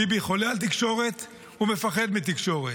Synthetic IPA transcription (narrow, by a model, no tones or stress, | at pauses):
ibiχo̞lealt̪̬ikʃo̞ʁe̞t̪ | ume̞faχe̞d̪mit̪̬ikʃo̞ʁe